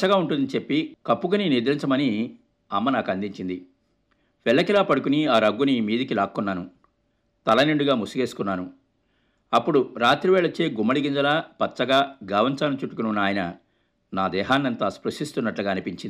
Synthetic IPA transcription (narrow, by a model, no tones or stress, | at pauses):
t͡ʃːɐɡaːuɳʈund̪it͡ʃe̞pːikɐpːukuniniɾd̪ɾiɲt͡ʃɐmɐni | ɐmːɐnaːkɐnd̪iɲt͡ʃind̪i | ʋɛɭːɐkilaːpɐɽukuniaːɾɐɡːunimiːd̪ikilaːkːunːaːnu | t̪ɐlɐniɳɖuɡaːmusuɡe̞ːsu̥kunːaːnu | ɐpːuɽuɾaːt̪ɾiʋɛːɭɐt͡ʃːe̞ːɡumːɐɽiɡiɲd͡ʒɐlaːpɐt͡ʃːɐɡaːɡaːʋɐɲt͡ʃaːnut͡ʃuʈːukunuunːaːjɐnɐ | naːd̪ɛːɦaːnːɐnt̪aːspɾɐʂist̪unːɐʈluɡaːnipiɲt͡ʃind̪i